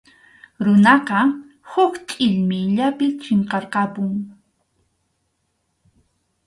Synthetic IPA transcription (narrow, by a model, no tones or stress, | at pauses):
ɾʊnɑqɑ | hʊkt̪ʼɪʎmɪʎapɪt͡ʃeɴqɑɾqɑpʊŋ